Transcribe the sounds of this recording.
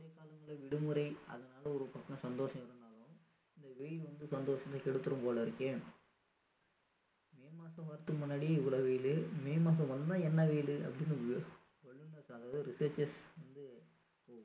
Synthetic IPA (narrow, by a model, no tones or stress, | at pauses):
ɐɐkaːlɐŋɡɐɭɐʋɪɽɯmɯɾɐɪɐ̰ðɐnaːlɐɔɾɯpɐkːɐ̃sɐnd̪oːʂɐ̃mɪɾɯnd̪aːlʊ̃ | ɪnd̪ɐʋeːlʋɐnd̪ɯsɐnd̪oːʂɐãkɛɽɯt̪ːɯɾɯ̃mpoːlɐɪɾɯkːeː | meːmaːsɐ̃ʋɐɾɯt̪ːɯmʊnːaːɽiɪʋɐlɐʋɛːjlɯmeːmaːs̬ɐ̃ʋɐnd̪d̪ãːɛnːɐʋeːlɯɐ̰pːɐɽɪnːɯ | ʋɐɭːɯnːɐɾsɐðaːʋðɯɾɪsɐːɾt͡ʃɐsʋɐnd̪ɯ | poːɣʊ